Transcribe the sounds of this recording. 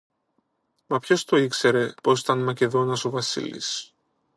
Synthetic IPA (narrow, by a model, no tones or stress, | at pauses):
mɐpço̞st̪o̞ikse̞ɾe̞po̞si̥t̪ɐnmɐce̞ðo̞nɐsovɐsḭlḭs